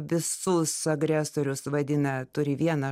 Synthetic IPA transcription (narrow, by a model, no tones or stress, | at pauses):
ʋʲɪsʊsɐɡɾʲæsoːɾʲʊsʋɐd̪ʲɪnɐt̪ʊɾʲɪʋʲiɛnɐ